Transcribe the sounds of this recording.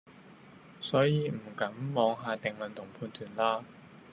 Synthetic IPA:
sɔː˨˥jiː˨˧m̩˨˩kɐ˨˥mːɔː˨˧˥ŋɦaː˨˧t̪ɪ˨ŋlɵ˨˩nt̪ʰʊ˨˩ŋpʰuː˧nt̪ʰyː˨˩nlaː˧

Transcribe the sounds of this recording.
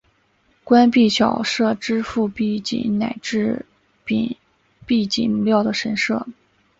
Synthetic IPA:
kwa˥npi˥˩t͡ɕʰjɑ̰˨˩ʊʂɤ˥˩ʈ͡ʂɻ̩˥fu˥˧pi˥˩t͡ɕḭ˨˩ŋna˨˩ɪʈ͡ʂɻ̩˥˩ | pi˨˩ | pi˥˩t͡ɕḭ˨˩ŋmu˧˥ljɑ˥˩ʊd̪ə˩ʂə˧˥nʂɤ˥˩

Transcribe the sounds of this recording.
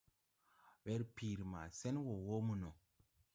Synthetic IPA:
wɛ˦ɾpi˨ɾi˨ma̰˨sɛ˦nwo˨wo˦mu˨no˨

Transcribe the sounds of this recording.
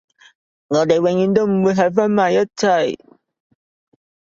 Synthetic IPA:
ŋɔː˨˧˦t̪e˨jwe˨˩ŋjy˨˧˦nt̪o˥wm̩˨˩wuː˨˧jɦɐ˨˧˩faː˦˥nmaː˨˧jɐ˦˥t͡sʰa˧˩j

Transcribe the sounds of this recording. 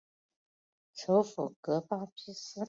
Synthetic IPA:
ʈ͡ʂʰo˧˥ʊfṵ˨˩kɤ˧˥pa˥t͡ɕʰi˥s̩˥

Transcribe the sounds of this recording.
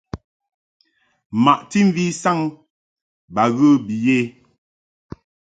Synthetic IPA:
ma˨ʔti˦ɱ˦vi˦sa˦ŋ | ba˨ɣə˦bi˨je˦

